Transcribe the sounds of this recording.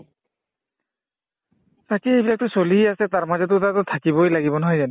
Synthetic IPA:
t̪akiejbilak̚tʊsoliasɛtaɹmazɛt̬ʊtatʊt̪ʰakibɔjlaɡibɔnɔɦɔjzan

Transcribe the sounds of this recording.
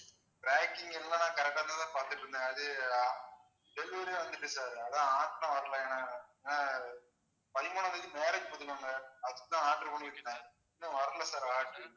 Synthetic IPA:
bɾaːkɪŋɡɛlːãːnãːkɐɾɛk̚ʈːaːt̪ãːt̪ãːpaːɾt̪ɯʈːɾɯnd̪ɛ̃ːɐðɯ | ɖɛlːɪʋɐɾeʋɐnd̪ɯʈːɯsaːðɯɐðãːaːʈnãːʋɐɾɐlãeːnːaːaeːnaː | pɐlmoːɳɐ̃nɐkːɯmeːɾɐkːɯpɔðɪlaŋɡɐɐðɯkːɯt̪ːãːaːʈɾɯpoɳɪɪʈːɯk̪ːãː | nːɯ̃ʋɐɾɐlɐsaːɾaːʈːɯ

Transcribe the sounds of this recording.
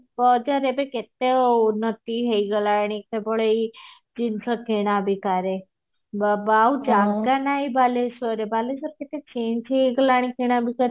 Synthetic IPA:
bəd͡ʒaɾebeket̪eunət̪iɦəiɡəlaɽ̃ikkebəɭei | d͡ʒinsəkeɽ̃abikaɾe | babaud͡ʒaɡanaibʱalesəɾebalesəɾket̪et͡ʃend͡ʒeiɡəlaɽ̃ikiɽ̃abikaɾe

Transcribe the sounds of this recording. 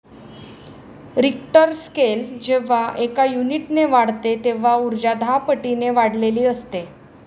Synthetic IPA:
ɾikʈəɾskeld͡ʑeʋ̤aʔekajuniʈneʋaɽt̪et̪eʋ̤auɾd͡ʑad̪ʱapəʈineʋaɽ̤leliːəst̪e

